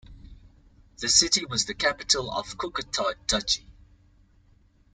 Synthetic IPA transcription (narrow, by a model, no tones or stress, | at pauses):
ðəsɪtiwɔzðəkʰapɪtʰələ̰v̥kʰʊkətʰatʰʌt͡ʃi̥